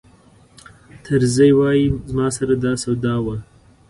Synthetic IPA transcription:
t̪ʰəɾzəjwɑjizmɑsaɾad̪ɑsawd̪ɑwa

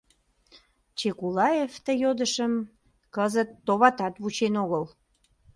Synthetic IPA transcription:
t͡ɕekulɑeft̪əjod̪əʃəm | kəzət̪ːoβɑt̪ɑt̪βut͡ɕenoɣəl

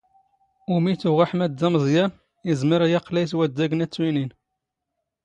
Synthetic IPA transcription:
umit̪uʁaħmæd̪ːæməzˤjæn | izmiɾjɑqlæjswæd̪ːæɡənæt͡sːwinin

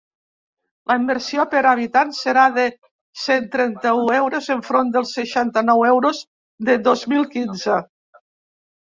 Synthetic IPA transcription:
lʔəimbeɾsiopeɾaβit̪anseɾaðe | sent̪ɾɛnt̪əuɛwɾozeɱfɾond̪əlˠseʃant̪ənɔwɛwɾoz | d̪eðozmilˠkinze

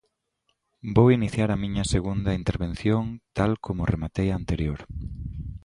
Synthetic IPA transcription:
bowiniθjaɾɐmĩɲɐseɣund̪ɐint̪eɾβen̟θjoŋt̪alkʰomʊremat̪ejaːnt̪eɾjoɾ

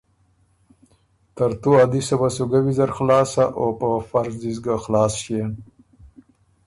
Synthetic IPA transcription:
t̪aɾt̪uad̪isabasuɡawizaɾxlɑːsaʔopəfaɾzd̪izɡaxlɑːsʃen

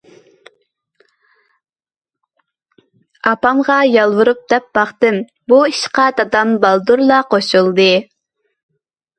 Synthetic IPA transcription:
ɑpɑmʁɑjɑlˠwuɾup̚d̪ɛp̚b̥ɑχt̪ɨm | buiʃqɑd̪ɑd̪ɑmbɑlˠd̪uɾlˠɑqʰoʃulˠd̪ɨ

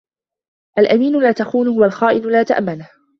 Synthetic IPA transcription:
ʔalʔamiːnʊlaːt̪axuːnʊhwalxaːʔɪnʊlaːt̪aʔmːanah

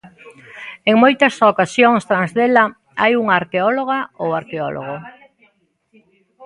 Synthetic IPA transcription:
eŋmojt̪ɐsokasjoŋst̪ɾãnzðela | ajuŋaaɾkeɔloɣ̞aowaɾkeɔ̰lʔo̰ɣ̞o

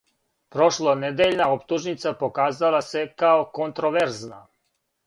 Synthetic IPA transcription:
pɾo̞ʃlˠoned̪eʎnaopt̪uʒnit̪sapo̞kaːzalˠasekaokont̪ɾoʋeɾzna̰

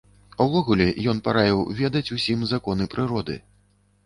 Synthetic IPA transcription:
wvɔɣulʲɛjɔnpaɾajʲiwvʲɛd̪ɐt͡sʲusʲimzakɔnɨpɾɨɾɔd̪ɨ̰

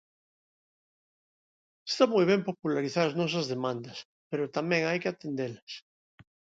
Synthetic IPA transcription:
est̪amojβ̞ɛmpopulaɾiθaɾɐznɔs̬ɐzðemãnd̪ɐs | peɾot̪amɛ̃ŋajkɪat̪end̪elas

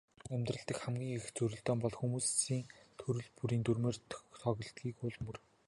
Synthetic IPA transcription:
æmʲt̪rə̆ɮt̪ə̆kχæmɡʲiːŋext͡suɾɵ̆ɮt̪ɔːmpɔɮxumuːsiːŋt̪ʰɵɾɵ̆ɮpuɾiːnt̪urmeːrt̪ʰt̪ʰɔɣɞ̆ɬt̪ɡiːkʊɮmɵr

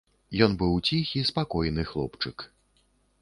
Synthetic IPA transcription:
jɔnbɨwt͡sʲixʲispakɔjnɨxlˠɔ̰pt͡ʂɨk

